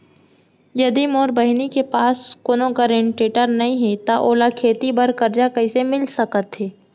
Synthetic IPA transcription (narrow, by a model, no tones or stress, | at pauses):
jɐd̪imoːɾbɐɦɪnikepaːskoːnokəɾẽɳʈeːʈəɾnɐɦĩɦet̪aʔoːlakʰeːt̪ibəɾkɐɾd͡ʒakɐisemɪlsɐkət̪ɦeː